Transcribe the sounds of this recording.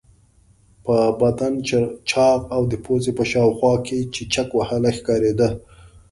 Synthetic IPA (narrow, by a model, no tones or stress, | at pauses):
pəbad̪ant͡ʃt͡ʃɑɣawd̪əpʰozepəʃɑwxwɑket͡ʃet͡ʃakwahalaxkɑɾed̪ə